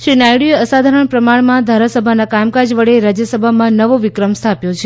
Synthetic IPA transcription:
ʃɾinajɽijəəsad̪ʱaɾəɳpɾəmaɳmãd̪ʱaɾasəbʱanakajmkad͡ʒʋəɭeɾad͡ʒjəsəbʱamãnəʋoʋɪkɾəmst̪ʰapjot͡ʃʰe

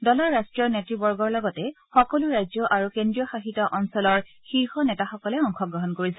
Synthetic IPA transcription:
dɔlɔɹːastɹijɔɹnɛtɹibɔɹɡɔɹlɔɡɔtɛ | xɔkɔluɹajzjɔʔaɹukendɹijɔxaɦitɔʔɔnsɔlɔɹ | xiɹxɔnɛtaxɔkɔlɛɔŋxɔɡɹɔɦɔnkoɹisɛ

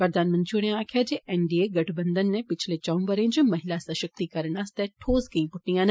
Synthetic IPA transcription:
pɐɾd̪aːnmɐ̃nt͡ʃuɽ̃ẽaːkʰad͡ʑeʔɛ̃ɳɖieɡɐʈʰbɐ̃nd̪ənːɛ̃pɪt͡ʃʰlet͡ʃɐʋũbɐɾə̃d͡ʑʊmɐɦɪlasɐʃɐk̚t̪ikɐɾəɽ̃ast̪ɛʈʰoːzkɐĩpʊʈnijãːn

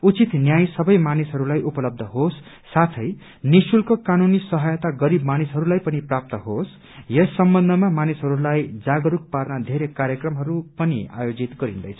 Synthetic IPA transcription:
ut͡sit̪njajsʌbʌjmanisɦʌɾulajʔupʌlʌb̚d̪ʱʌɦosː | at̪ʰʌj | nisulkokanunisʌɦʌjʌt̪aɡʌɾibmanisɦʌɾulajpʌniprap̚t̪ʌɦos | jʌsːʌmbʌnd̪ʱʌmamanisɦʌɾulajd͡zaɡʌɾuk̚parnad̪ʱeɾekaɾjʌkrʌmɦʌɾupʌnia̰jod͡zit̪ɡʌɾind̪ʌ̰jt͡sʰʌ̥

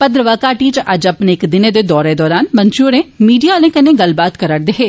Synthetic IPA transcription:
pəd̪ɾəʋaːkaːʈiːt͡ʃʔəd͡ʒəpneːɪkd̪ɪneːd̪eːd̪ɔːɾeːd̪ɔːɾaːnmənt͡ʃuːɾẽːmiːɖijaːlẽːkənẽːɡəlbaːt̪kəɾəɽd̪eːɦeː

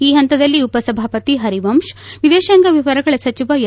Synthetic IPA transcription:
iːɦɐnt̪ɐd̪ɐlːiupɐsɐbʱaːpɐt̪iɦɐɾiʋɐmʃʋid̪eːʃɐŋɡɐʋjɐʋɐɾɐɡɐɭɐsɐt͡ʃiʋɐ

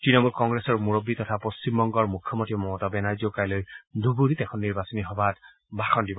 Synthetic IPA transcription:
tɹinɔmulkɔŋɡɹɛsɔɹmuɹobːitɔtʰapost͡ʃimbɔŋɡɔɹmukʰjɔmɔntʰimɔɔtabɛnaɹzɔkajlojdʱubuɾitɛkʰɔnːiɹbasɔniɦɔbʱat | baxɔndibɔ

